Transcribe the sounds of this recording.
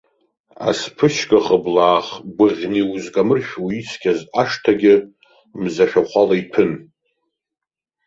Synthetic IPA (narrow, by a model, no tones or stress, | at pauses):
a̰spʰɨʃkʼaχəblaːχɡʷʊʁʲniuzkʼamɨrʃʲᶣwit͡sʰkʲʰazaʂtʰaɡʲɪ | mzaʃᶣaχʷalaipʰɨn